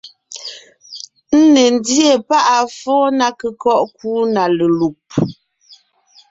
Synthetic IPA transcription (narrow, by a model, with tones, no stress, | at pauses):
n̩˦ne˨n̩˦dje˦˨pa˦ʔa˨fɔː˦na˦kə˨kɔ˦ʔkuː˦na˨lə˨lu˨p̚